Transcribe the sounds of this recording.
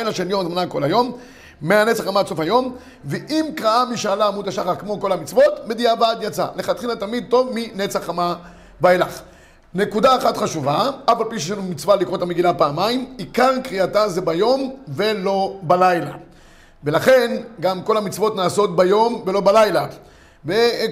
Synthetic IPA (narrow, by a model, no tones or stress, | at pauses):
jlaʃe̞ljo̞mzmanako̞lajo̞mː | eanet͡saχamaso̞fhajo̞m | veʔimkʁaamiʃaːlaːmud̪aʃaχaʁkmo̞ko̞lhamit͡svo̞t̪med̪ijabad̪jat͡sa̰leχat̪χilat̪amid̪̚to̞vminet͡saχama | baelaχ | ne̞kud̪aːχat̪χaʃuvaafalpiʃeanumit͡svalikʁo̞t̪ameɡilapaːmaimikaʁkʁiatazebajo̞mve̞lo̞balajla̰ | velaχe̞nɡamko̞lhamit͡svo̞t̪naːso̞t̪bajo̞mvelo̞balajla | ve